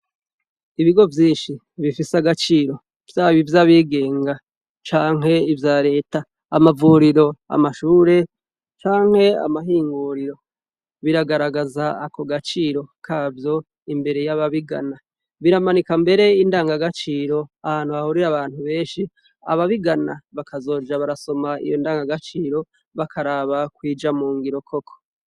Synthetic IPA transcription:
iβiɡo̞vjiːnʃi | βifisaɡat͡ʃiːɾo̞ | v̥jaːβivjaβiɡe̞ːŋɡa | t͡ʃaːŋ̥ɦe̞ivjaːɾe̞ːtaː | mavuɾiɾo̞a̰maʃuːɾe̞ | t͡ʃaːŋ̥he̞a̰maɦiːŋɡuɾiɾo̞ | βiɾaɡaɾaɡazaːko̞ɡat͡ʃiːɾo̞kʰaːvjo̞ | imbe̞ɾe̞jaβaβiɡa̰na | βiɾamanikambe̞ɾe̞indaːŋɡaɡat͡ʃiːɾo̞ahaːn̥huahuɾiɾaβaːn̥huβe̞ːnʃi | a̰βaβiɡanaβakazo̞ːd͡ʒaβaɾaso̞maḭjo̞ndaːŋɡaɡat͡ʃiːɾo̞ | βakʰaɾaːβakwiːd͡ʒamuːŋɡiɾo̞kʰo̞kʰo̥

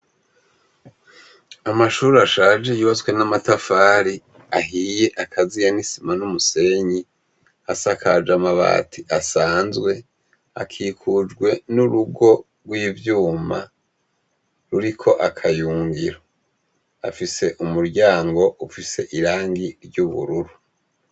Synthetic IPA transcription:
amaʃuːɾaʃaːd͡ʒe̞juβazwe̞namatafaːɾi | aɦiːje̞ʔakʰazijanisimanumuse̞ɲi | asakʰad͡ʒamaβa̰ːtʰiʔasaːnzɡwe̞ | a̰kʰiːkʰud͡ʒɡwe̞nuɾuɡo̞ | ɾɡwiːvjuːma̰ | ɾuɾikʰo̞ʔakʰajuːŋɡiɾo | afise̞ʔumuɾɟaːŋɡo̞ʔufise̞ʔiɾaːŋɡiɾɟuβṵɾuɾu

